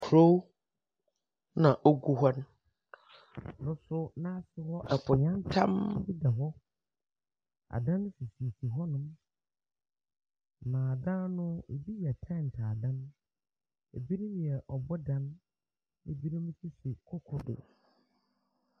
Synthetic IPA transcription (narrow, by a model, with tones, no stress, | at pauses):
kʰɾo˦w | nã˨ʔo˦ɡu˦ɦɔ˦n˦˨ | nʊ̃˦sʊ˦nã˦sɪ˨hɔ˦ʔɛ˨pʰʊ˨ɲã˦n˦tʰã̰˦m˦bi˦da˨ɦɔ˦ | a̰˨dã˦nːʊ̃˦si˨si˨si˨ɦɔ˦nʊ̃˦m˨ | mãː˨dã˦nʊ̃˦e˨bi˦ji˨ɛ˨tʰã˦˨n̩˨tʰaː˨dã˦n | e˨bi˦nʊ̃˦m̃˨ɛ˨ʔɔ˨bɔ˦dã˦nː | ḛ˨bi˦nʊ̃˦m̃˦si˦sɪ˨kʰɔ˦kʰɔ˦dʊ̰˨